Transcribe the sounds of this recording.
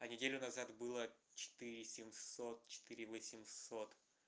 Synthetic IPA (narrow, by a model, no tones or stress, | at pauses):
ɐnʲɪdʲelʲʊnɐzat̪bɨlˠət͡ɕɪ̥t̪ɨɾʲɪsʲɪmsot̪̚t͡ɕɪ̥t̪ɨɾʲɪvəsʲɪmsot̪